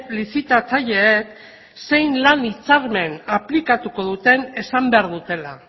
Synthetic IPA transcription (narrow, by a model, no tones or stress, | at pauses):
lisit̪at͡saʎe̞ːk | se̞jnlanit͡saɾme̞naplikat̪uko̞ðut̪e̞ne̞sambe̞aɾðut̪e̞la